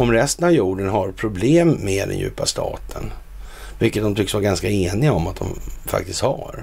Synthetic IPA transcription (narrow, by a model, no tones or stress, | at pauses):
ɔmɾɛst̪ənavjuːɖənɦaɾpʰɾʊbleːmːed̪ɛ̰njʉ̟̰ːpast̪ʰɑ̰ːt̪ʰən | vɪlkːət̪̚d̪ɔmt̪ʰʏksvaːɾaɡanskaeːnɪɡaɔmat̪̚d̪ɔ̰mfa̰k̚t̪ɪst̪ha̰ɾ